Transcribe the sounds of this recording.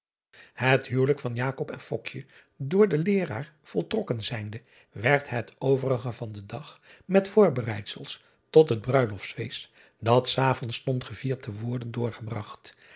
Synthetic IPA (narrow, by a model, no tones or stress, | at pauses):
hətɦywləkfɑnjaːkɔpɛnfɔkjə | dʊːɹdəlɪːra̰ːɹ | v̥ɔlˠtrɔkənzɛjndə | ʋɛɹtɦətowvərəχəvɑndədɑχmɛtfʊːɹbərɛjtsəlˠs | tɔtɦəd̚brœɥlɔfsfes | dɑtsaːvɔnstɔntχəviːɹtəʋʊːɹdəndʊːɹχəbrɑχt